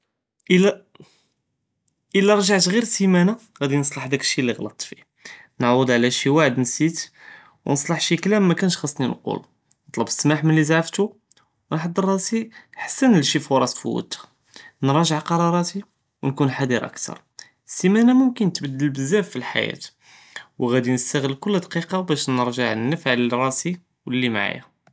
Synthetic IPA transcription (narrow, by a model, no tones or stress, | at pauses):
ʔəæ | ʔəlːæɾˤʒaʕt̪ɣiɾsimæna | ɣæd̪inəsˤlɑħd̪ækʃːiliɣlɑt̪ˤfi | nʕwəd̪ʕlæʃiwaʕəd̪nsit̪ | wnəsˤləħʃiklæmːækænʃxɑsˤːninqṵl | nət̪ˤlɑbəsːmaħmənlːizʕft̪u | wnħɑd̪ˤːərˤːɑsiħḁsːænəlʃifʊɾˤɑsfṵwə̰t̪ː | nɾˤɑʒəʕqɑɾˤɑɾˤɑt̪i | wnkunħad̪iɾʔə̰kt̪ʰɑ̰ɾˤ | simænæmʊmkənt̪bəd̪ːəlbəzːæfːilħa̰jæ̰t̪ | wɣæd̪inəst̪æɣəlːkʊlːd̪qiqɑbæʃnəɾʒəʕnːəfʕlərˤɑsi | wlːimaʕa̰jæ̰